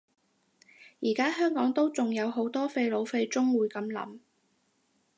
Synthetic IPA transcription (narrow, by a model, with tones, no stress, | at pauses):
jiː˨˩kaː˥ɦœː˥ŋkɔː˨˥ŋt̪o˥wt͡sʊ˨ŋjɐ˨˧wɦo˨˥wt̪ɔː˥fe˧jlo˨˧wfe˧jt͡sʊ˥ŋwuː˨˧jkɐ˨˥mlɐ̰˨˥m